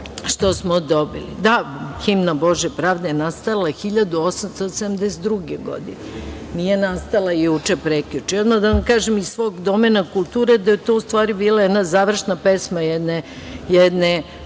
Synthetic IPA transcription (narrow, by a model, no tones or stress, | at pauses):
ʃt̪osmod̪obilḭd̪aximnaboʒjepɾaːʋd̪ajenast̪alaxiʎad̪uosamst̪osed̪amd̪ɛset̪ːɾuɡeɡo̰d̪ine | nijenast̪alˠajuːt͡ʃepɾekʎʲut͡ʃiod̪mad̪aʋamkaːʒemissʋoɡd̪omenakulˠt̪uːɾed̪ajet̪o̞ust̪ʋaːɾibiːlˠajed̪nazaːʋr̩ʃnapesmajɛd̪ne | jɛd̪ne